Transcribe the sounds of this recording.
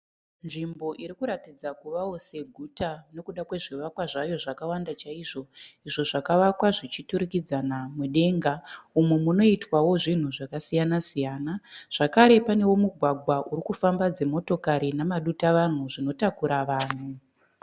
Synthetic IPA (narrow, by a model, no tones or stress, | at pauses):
nʐimbo̞ʔiɾikuɾatid͡zakuʋawo̞se̞ɡʱutane̞kuɗakwe̞ʐiʋakwaʐajo̞ʐakawandat͡ʃaiʐo̞iʐo̞ʐakaʋakwaʐit͡ʃituɾikid͡zanamuɗe̞ŋɡaumwemuno̞itwawo̞ʐin̤uʐakasijanasijaːnaʐ̥akaɾe̞pane̞wo̞muɡʱwaɡʱwaʔuɾikufambad͡ze̞mo̞to̞kaɾinamaɗutaʋan̤uʐino̞takuɾaʋaːn̤u